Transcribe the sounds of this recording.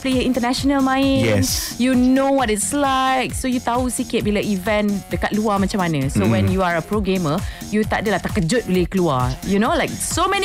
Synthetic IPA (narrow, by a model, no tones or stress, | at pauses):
plejəĩntənɛʃɔnəlmãjɛnjunowɔtɪtslaɪk̚sojut̪ausikɪt̚biləʔivɛ̃ndəkaʔ̚luamat͡ʃãmanəsowɛ̃njuaɹəpɹoɡeməjut̪aʔ̚dəlat̪akəd͡ʒʊt̚bilekəlua̰junolaɪk̚somɛni